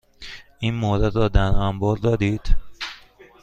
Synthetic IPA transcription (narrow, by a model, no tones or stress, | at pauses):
ʔiːnmoɾed̪ɾɒːd̪æɾæmbɒːɾd̪ɒːd̪iːd̪̥